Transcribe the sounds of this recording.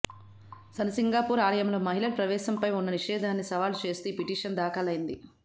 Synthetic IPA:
sɐnsiŋɡaːpuːɾaːlɐjɐmlo̞ːmɐɦilɐlpɾɐʋɛːʃɐmpɐjunːɐniʂɛːd̪ʱaːnːisɐʋaːlut͡ʃe̞ːst̪uːpiʈiːʂɐnd̪aːkɐlɐjind̪i

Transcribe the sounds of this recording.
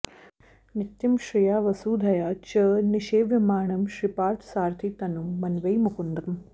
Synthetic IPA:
nit̪jɐmʃɾijaːʋɐsuːd̪ʱɐjaːt͡ʃɐːniʃeːʋjɐmaːɳɐmʃɾipaːɾt̪ʰsaːɾt̪ʰit̪ɐnumːɐnʋɐjmukund̪ɐm

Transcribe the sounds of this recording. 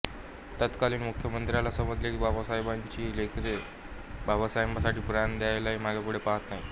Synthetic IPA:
t̪at̪kaliːnmukʰjəmənt̪ɾjalasəməd͡zlekiːbʱabasajbaɲt͡ɕiːlekɾe | bʱabasajmbasaʈiːpuɾand̪jajlaimaɡapuɽ̤epaɦət̪naɦi

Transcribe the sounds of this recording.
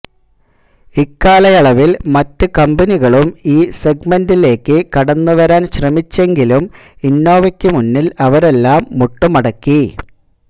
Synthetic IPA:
ikːaːlɐjɐɭɐʋilmɐtːɨkɐmbɐniɣɐɭumiːse̞ɡ̚mɐndile̞ːkːɨkɐɽɐnːuʋɐɾaːnɕrɐmit͡ɕːe̞ŋɡilum | inːo̞ːʋɐkʲːɨmunːilɐʋɐɾe̞lːaːmːuʈːumɐɽɐkːi

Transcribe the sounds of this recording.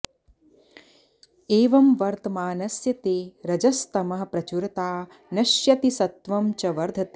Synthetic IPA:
eːʋɐmʋɐɾt̪ɐmaːnɐsjɐt̪eːɾɐd͡ʒɐst̪ɐmɐɦɐ̆pɾɐt͡ʃuɾɐt̪aː | nɐʃjɐt̪isɐt̪ʋɐmt͡ʃɐʋɐɾd̪ʱɐt̪eː

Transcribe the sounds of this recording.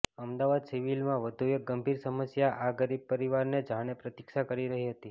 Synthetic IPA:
əmd̪aʋad̪siʋilmãʋəd̪ʱuek̚ɡəmbʱiɾsəməsjaʔaɡəɾib̚pəɾiʋaɾned͡ʒaɽ̃epɾət̪ikʃakəɾiɾəɦiɦət̪i

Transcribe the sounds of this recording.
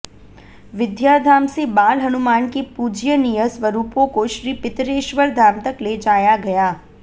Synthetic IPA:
ʋɪd̪jaːd̪ʱaːmsebaːlɦɐnʊmaːnkepuːd͡ʒjənijəsʋɐɾuːpõkoʃɾiːpɪt̪ɾeːʃʋəɾd̪ʱaːmt̪ɐkled͡ʒaːjaɡɐjaː

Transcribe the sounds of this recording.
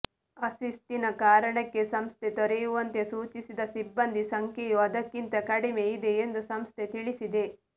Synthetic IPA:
ɐsist̪inɐkaːɾɐɳɐkːe̞sɐmst̪ʰe̞t̪ɔɾejuʋɐnt̪e̞suːt͡ʃisid̪ɐsibːɐnd̪ʱisɐŋkejuɐd̪ɐkːint̪ɐkɐɽime̞id̪e̞ːnd̪usɐmst̪ʰe̞t̪iɭisid̪e̞

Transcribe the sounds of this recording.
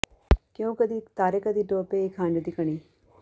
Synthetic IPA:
kjõːkəd̪iːt̪aːɾeːkəd̪iːʈoːpeːɪkʰãːɳɖd̪iːkəɳ̃iː

